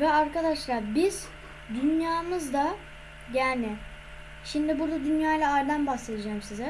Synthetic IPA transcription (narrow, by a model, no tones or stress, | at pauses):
vɛaɾkad̪aʃlˠaɾbiz̥ | d̪ynjaːmɯzd̪a | jæːɾnɪ | ʃimd̪ɪbuɾd̪ad̪ynjaːjlˠaaɾd̪anbaxse̞d̪id͡ʒaːmsizɛ